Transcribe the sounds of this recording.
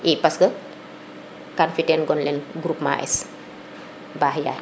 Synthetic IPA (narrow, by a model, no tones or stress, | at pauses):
epasɡə | kanfiʈenɡɔnlenɡɾupma̰ʔḛs | baɦja̰